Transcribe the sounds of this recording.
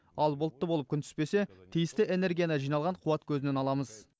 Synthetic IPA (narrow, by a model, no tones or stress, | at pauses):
ɑlˠbʊlˠt̪ːəbo̞lˠəp̚kʲʏnt̪ʰʏ̥spe̞se̞t̪ʰijɪst̪ɪe̞neɾɡʲijanɑʒijnɑlˠʁɑɴqʰʊwɑt̪kʲʰɵzɪne̞nɑlˠɑməz